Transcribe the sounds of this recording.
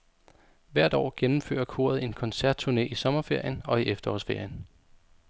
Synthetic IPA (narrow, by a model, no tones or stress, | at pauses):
ʋæɐ̰d̥ɒ̰ːɡ̥enm̩fø̰ːɐɐkʰo̝̰ːɐð̞̩ˠe̝nkʰɒ̽nsæɐd̥̚t͡sʰuɐne̝̰ːʔisɒ̽mɐfe̝ɐ̰jənɒ̽iʔefd̥ɐɒsfe̝ɐ̰jən